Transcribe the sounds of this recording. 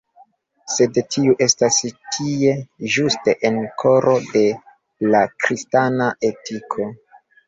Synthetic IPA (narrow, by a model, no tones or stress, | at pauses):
se̞dtʰiuʔe̞stastʰije̞ʒuste̞ʔenkʰo̞ɾo̞de̞ | lakɾistanaʔe̞tikʰo̞